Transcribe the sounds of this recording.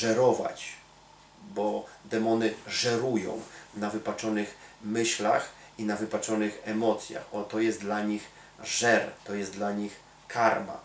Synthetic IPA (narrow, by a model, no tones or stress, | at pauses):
ʐɛɾɔva̰t͡ɕ | bɔd̪ɛmɔnɘʐɛɾujɔ̰̃w̃navɘpat͡ʂɔnɘxmɘɕla̰x | inavɘpat͡ʂɔnɘxɛmɔt̪sʲja̰xɔt̪ɔjɛst̪d̪laɲix | ʐɛɾt̪ɔjɛst̪d̪laɲix | kʰaɾma̰